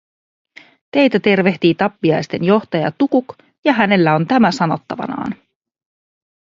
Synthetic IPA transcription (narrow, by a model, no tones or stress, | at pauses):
t̪e̞jt̪æt̪e̞rʋe̞ht̪iːt̪ɑpːiɑjst̪e̞njo̞ht̪ɑjɑ̰t̪ukuk | jɑɦæne̞lːæo̞nt̪æmæsɑno̞t̪ːɑʋɑ̰nɑ̰ːn